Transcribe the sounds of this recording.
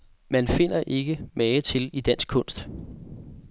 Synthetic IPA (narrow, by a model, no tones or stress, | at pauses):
mænfe̝n̰ɐʔe̝ɡ̥əmɛːt͡sʰe̝lid̥æn̰sɡ̥̚kʰɔ̽n̰sd̥